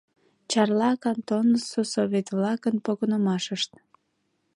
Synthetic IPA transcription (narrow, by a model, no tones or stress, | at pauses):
t͡ɕɑrlɑkɑnt̪onəsosoβʲet̪vlɑkənpoɣonəmɑʃəʃt̪